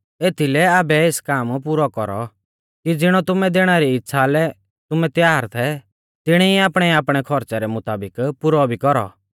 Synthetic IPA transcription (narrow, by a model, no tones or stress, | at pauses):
eːt̪ʰilɛaːbɛeːskaːmpuɾɔkɔɾɔ̰ | kid͡zɪɽ̃ɔt̪ʊmɛd̪eːɽ̃aɾiɪtːsʰalɛ | t̪ʊmɛt̪jaːɾt̪ʰɛ | t̪ɪɽ̃ɛiaːpɽ̃ɛaːpɽ̃ɛkʰɔɾt͡saɾɛmʊt̪aːbɪkpʊɾɔbʱikɔɾɔ̰